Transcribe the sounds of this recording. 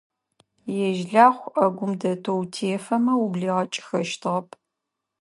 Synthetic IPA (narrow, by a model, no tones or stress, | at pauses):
jɛʒɮaːχʷɐɡʷʊmdɐtʰowtʰeːfɐmɐwubɮiːʁɐt͡ʃʼɪ̥xɐʃtʰɨʁɐpʰʼ